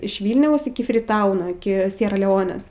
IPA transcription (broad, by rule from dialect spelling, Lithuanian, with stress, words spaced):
ɪʃ ˈʋʲiːlʲnʲɛʊs ɪkʲɪ fʲrʲɪˈtɐʊnoː ɪkʲɪ ˈsʲiɛrɐ lʲɛˈoːnʲeːs